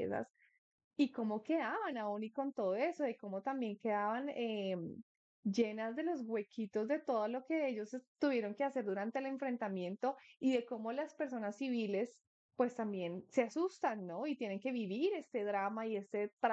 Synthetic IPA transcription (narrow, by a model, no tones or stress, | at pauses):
sa̰s | iko̞mo̞ke̞ðaβanauniko̞nt̪o̞ðoe̞soðeko̞mo̞t̪ambje̞ŋke̞ðaβanem | d͡ʒe̞nazd̪e̞lo̞zɡwe̞kʰit̪o̞zd̪e̞t̪o̞ðolo̞ke̞eʝo̞st̪uβje̞ɾo̞ŋkease̞ɾd̪uɾant̪e̞ːle̞ɱfɾe̞nt̪amjẽ̞nt̪o̞iðe̞ko̞mo̞laspe̞ɾs̬o̞nasːiβile̞s | pwe̞st̪ambje̞nseasust̪anːo̞it̪je̞ne̞ŋke̞βiβiɾe̞st̪e̞ðɾamaie̞st̪et̪ɾ